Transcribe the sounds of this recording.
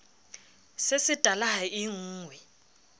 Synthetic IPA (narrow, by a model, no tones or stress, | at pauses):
sesɪtʼalaɦaɪŋ̩ːŋwɛ